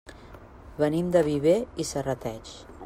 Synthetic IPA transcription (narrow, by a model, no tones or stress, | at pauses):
βənimd̪əβiβeisərət̪ɛt͡ʃ